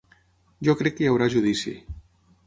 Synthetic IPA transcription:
ʒokɾɛkːejawɾaʒuð̞isḭ

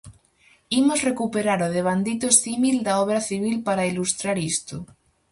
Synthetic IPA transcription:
imozrekupeɾaɾoð̞eβ̞and̪it̪osθimild̪aoβɾaθiβ̞ilpaɾailust̪ɾaɾist̪o

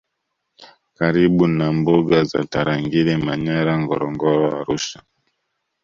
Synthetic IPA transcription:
kaɾiɓunambuɡaza̰taɾaŋɡilɛmaɲaɾaŋɡɔɾɔŋɡɔɾɔa̰ɾuʃa

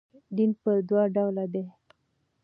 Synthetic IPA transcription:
ɖ̪inpəɾd̪wɑɖawlad̪e

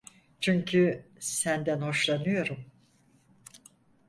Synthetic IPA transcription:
t͡ʃʰyɲcʰysænd̪ænho̞ʃlˠanɯjo̞ɾum

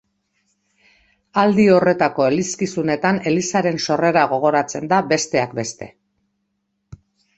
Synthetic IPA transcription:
ald̪io̞re̞t̪ako̞e̞liskisune̞t̪ane̞lisaɾe̞nso̞re̞ɾaɣ̞o̞ɣ̞o̞ɾat͡se̞nd̪abe̞st̪e̞akbe̞st̪e̞

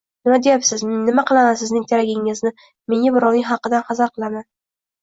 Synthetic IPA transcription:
nɪmad̪ejapsɪzmːɪmaqɨlˠamansɪznɪŋt̪ʰaɾaɡʲɪŋɪznɪ | meŋʲabɪɾɒwnɪŋʲɦɑqːɨd̪anqɑzaɾqʰɨlˠaman

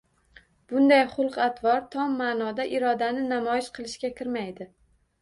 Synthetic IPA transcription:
b̥ʊnd̪ajχʊlˠqat̪ʰvɒɾt̪ʰɒmːaːnɒd̪aʔɪɾɒd̪anɪnamɒjɪʃqʰɨlˠɪʃkʲakʲʰɪɾmajd̪ɪ

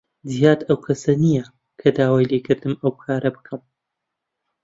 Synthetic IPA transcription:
zijaːd̪ɐwkʰɐsɐnijɐ | kʰɐd̪aːwaːjlekʰɨɾd̪ɨmɐwbɨkʰaːɾɐbɨ̥kʰɐm

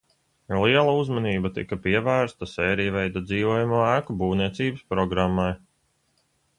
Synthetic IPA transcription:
liɛlˠauzmaniːbat̪ḭkɐpiɛvæːɾst̪asɛːɾijvɛjd̪ad̪ziːvuɔjumuːæːkubuːvniɛt̪siːbəspɾɔɡɾamːaj

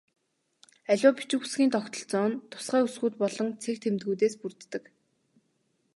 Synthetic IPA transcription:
æɮʲʊːpi̥t͡ɕŭxu̥sɡʲiːnt̪ʰɔkt̪ɞ̆ɬt͡sɔːnt̪ʰːʊ̥sɢæːusɡuːt̪̚pɔɮɞ̆ŋt͡sʰek̚t̪ʰemt̪ɡujt̪eːspurt̪ːɘ̆k

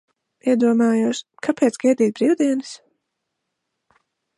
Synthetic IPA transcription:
iɛd̪uɔmaːjuːʃkʰapʰɛːt̪sɡ̥ɛjd̪iːt̪̚bɾiːwd̪iɛnɨs

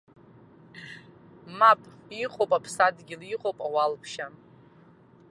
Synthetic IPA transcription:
mapʼiqʼowpʼapʰsadɡʲiliqʼowpʼawalpʰʃa

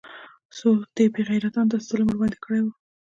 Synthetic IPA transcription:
sod̪̥əbeɣajɾat̪ɑnd̪əst̪əloməɾbɑnd̪ekəɽajwu

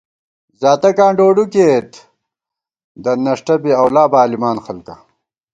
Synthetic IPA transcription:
zaːt̪ɐkãːɳɖoːɖukeːt̪ | d̪ɐnɐʂʈɐbiɐwlaːbaːlimaːnxɐlkɐ

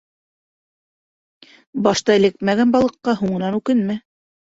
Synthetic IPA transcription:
bɑʃt̪ɑɘ̆lɘk̚mæɡænbɑlˠɤ̆qːɑɦuɴɤ̆nɑnʉkɘnmɘ

